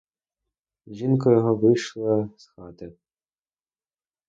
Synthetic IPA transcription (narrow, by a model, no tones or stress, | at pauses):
ʒinkɔjɔɦɔʋɨʃlˠɐsxɑt̪ɐ